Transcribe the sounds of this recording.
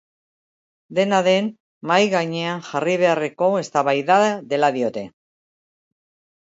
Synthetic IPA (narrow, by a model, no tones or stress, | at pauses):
d̪e̞naðe̞n | majɣaɲe̞aŋxariβ̞e̞areko̞e̞st̪aβajðaðe̞laðio̞t̪e̞